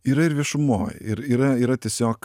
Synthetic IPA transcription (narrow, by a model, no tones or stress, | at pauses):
iːɾɐɪɾʋʲiɛʃʊmo̰ːj̰ɪɾiːɾɐiːɾɐt̪ʲɛsʲoːk